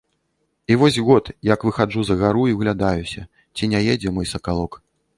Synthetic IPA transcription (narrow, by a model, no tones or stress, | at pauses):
ivɔsʲɣɔt̪jakvɨxad͡ʐuzɐɣaɾuiɣlʲad̪ajusʲɐ | t͡sʲinʲajed͡zʲɛmɔjsɐkalˠɔk